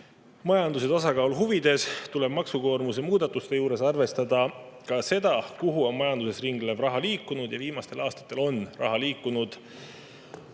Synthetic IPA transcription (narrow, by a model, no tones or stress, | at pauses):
mɑjɑnd̪us̬e̞t̪ɑsɑkɑuluɦuvid̪̥e̞st̪ule̞b̥mɑksuko̞ːrmuse̞muːd̪̥ɑt̪ːˑust̪e̞juːɾe̞sɑrve̞st̪ɑd̪̥ɑkɑse̞d̪̥ɑkuɦuo̞nmɑjɑnd̪use̞sriŋɡ̥levrɑɦɑliːkːˑunud̪̥jɑviːmɑst̪e̞lʔɑːst̪ɑ̥t̪ːˑe̞lo̞nrʔɑ̰ɦɑliːkːˑunud̪̥